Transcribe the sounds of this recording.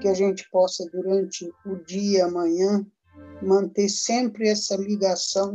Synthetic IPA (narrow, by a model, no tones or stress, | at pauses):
kɪaʒẽnt͡ʃɪ̥pɔsɐd̪uɾɐ̃nt͡ʃɪʊd͡ʒiɐːmɐ̃ɲɐ̃ | mɐ̃nt̪eɾsẽmpɾɪɛsɐliɡasɐ̃w̃